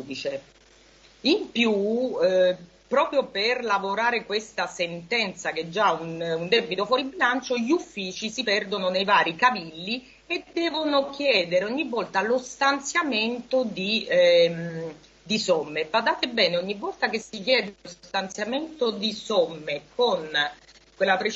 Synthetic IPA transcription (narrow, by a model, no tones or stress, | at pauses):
d̪it͡ʃe | impju | pɾɔːpɾjoperlavoɾaːɾekwest̪asent̪ɛnt̪sak̟ɛd͡ʒːaunund̪ɛbit̪ofwɔːɾibilant͡ʃoʎufːiːt͡ʃisipɛrd̪ononejvaːɾikavilːi | ed̪ɛːvonokjɛːd̪eɾeɔɲːivːɔlt̪alost̪ant̪sjament̪od̪im | d̪isɔmːebad̪aːt̪ebɛːneɔɲːivːɔlt̪ak̟esikjɛːd̪eosst̪ant̪sjament̪od̪isɔmːekon | kwelːapɾet͡ʃ